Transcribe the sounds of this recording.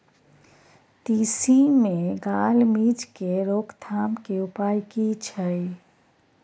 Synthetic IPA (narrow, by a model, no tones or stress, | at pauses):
t̪iːsimẽɡaːlmiːd͡ʒkeɾoːkt̪ʰaːmkeʊpaːjkit͡ʃʰəj